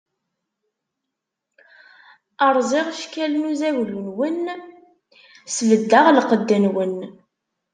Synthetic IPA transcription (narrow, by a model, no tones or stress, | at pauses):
əɾˤzˤeʁʃkælnuzæwlunwən | svəd̪ːəʁlqəd̪ːənwən